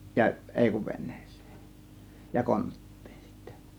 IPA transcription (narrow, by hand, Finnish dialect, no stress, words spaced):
jɑ ʔeˑi kuʋ ʋenːe̥ːse̥ː jɑ kontːi̥ːn̥ si̥tːæ̥